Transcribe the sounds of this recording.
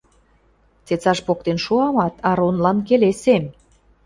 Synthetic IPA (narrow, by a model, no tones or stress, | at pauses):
t͡set͡sɑʃpok̚t̪enʃuɑmɑt̪ʰɑɾonlɑnkelesem